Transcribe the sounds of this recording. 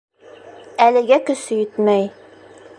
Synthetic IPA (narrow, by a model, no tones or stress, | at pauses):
ælɘ̆ɡækɵ̆sɘjɵt̪mæj